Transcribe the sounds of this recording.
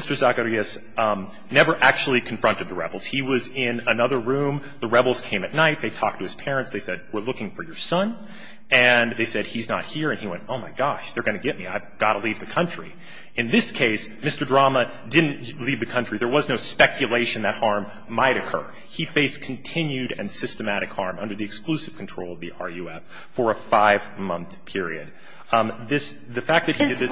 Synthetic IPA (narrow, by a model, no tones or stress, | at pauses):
mɪstə˞zækəɹiɨs | nɛvə˞ʔæk̚t͡ʃul̩ˠikʰɱfɹʌ̃ntɨd̪̚ðəɹɛ̰bl̩ˠz̥hiwʌzɪ̃nənʌðə˞ɹũm | ðəɹɛbl̩ˠz̥kʰẽɪ̃mɨtⁿnaɪt̪̚ðeɪtʰɔ̰k̚tʰɨɨz̥pʰɛɹɨ̃ntsðeɪsɛd̚wɪɹlʊkɪ̃ŋfə˞jə˞sʌ̃n | ɨ̃nðeɪsɛd̚iznə̰t̚hiɹɨ̃niwɛ̃ntoʊmaɪɡɑʃðə˞ɡʌnɨɡɛt̚miaɪvɡ̥ɑɾəlivðɨkʰʌ̃nt͡ʃɹ̥i | ɨ̃nðɪskʰeɪsmɪstə˞dɹɑmə | dɪdⁿn̩tlivðɨkʰʌ̃nt͡ʃɹ̥iðə˞wʌznoʊspɛkʰjɨleɪʃɨ̃n̩ðɨt̚hɑɹmː | aɪɾɨkʰɜ̰˞ | ifeɪskʰn̩tʰɪ̃njʉɾɨ̰̃nsɪstɨmæɾɨkhɑɹmʌ̃ndə˞ðiɨksklʉsɨv̥kʰn̩tʰɹ̥oʊlˠʌvðiʔɑ̰ɹjʉɛf | fə˞əfaɪv̥mʌ̃nθpʰɪɹḭɨ̰d̥̚ | ðɪs | ðɨfæk̚ðɨt̚hidɨd̪̚ðɪs